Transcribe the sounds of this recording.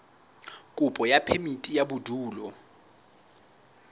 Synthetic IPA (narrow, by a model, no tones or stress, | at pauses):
kʼupʼɔjapʰemitʼijaɓudʱuːlɔ